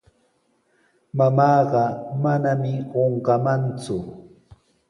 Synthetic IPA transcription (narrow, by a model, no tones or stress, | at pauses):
mamɑːɢɑmanamɪɢoɴɢɑmant͡sʊ